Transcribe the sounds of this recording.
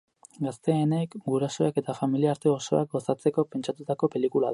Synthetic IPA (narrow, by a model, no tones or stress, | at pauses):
ɡast̪e̞ːne̞kɡuɾaso̞eke̞t̪afamiliaːɾt̪e̞o̞so̞ak̚ɡo̞sat͡se̞ko̞pe̞nt͡ʃat̪ut̪ako̞pe̞likulað